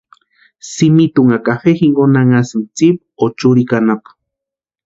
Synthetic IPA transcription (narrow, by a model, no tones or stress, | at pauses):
simit̪uŋakafexiŋɡonaŋasimt͡sip | ot͡ʃuɾikanapḁ